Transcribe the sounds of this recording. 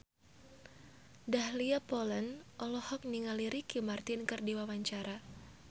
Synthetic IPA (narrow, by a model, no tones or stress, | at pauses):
dahliapɔlənʔɔlɔhɔk̚niŋaliɾikimart̪ɪnkɨrdiwawaɲt͡ʃaɾa